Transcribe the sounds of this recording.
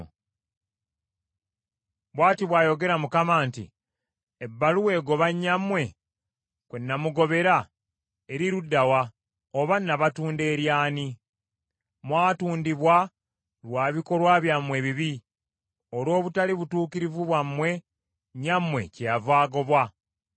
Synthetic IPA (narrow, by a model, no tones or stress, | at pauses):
βwaːtiβwaːjo̞ɡe̞ɾamukamaːntḭ | ebːaluwe̞ːɡo̞βaɲːamwe̞ | kwenːamuɡo̞βe̞ɾa | eɾiɾudːawa | oβanːaβatuːnde̞ːɾjaːni | mwaːtuːndiβwa | lwaːβiko̞lwaβjamwe̞βiβi | olo̞ːβutaliβutuːkiɾivuβwamːwe̞ | ɲːamwe̞cejavaːɡo̞βwa